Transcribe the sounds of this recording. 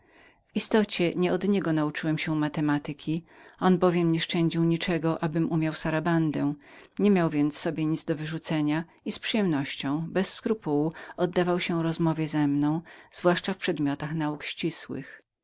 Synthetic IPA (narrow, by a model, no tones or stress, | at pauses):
vist̪ɔt͡ɕɛɲɛɔd̪ɲɛɡɔnaut͡ʂɘwɛmɕɛmat̪ɛmat̪ɘkʲiɔnbɔvʲjɛmɲɛʂt͡ʂɛɲd͡ʑiwɲit͡ʂɛɡɔʔabɘmumʲjawsaɾaband̪ɛ̃ɲɛmʲjawvʲjɛnt̪sːɔbʲjeɲit̪zd̪ɔvɘʐut̪sɛɲa | ispʂɨjɛmnɔɕt͡ɕɔ̃w̃bɛsːkɾupuwuɔd̪ːavawɕɛ̃ɾɔzmɔvʲjɛzɛmnɔ̃w̃z̥vwaʂt͡ʂafpʂɛd̪mʲjɔt̪axnaukɕt͡ɕiswɘ̰x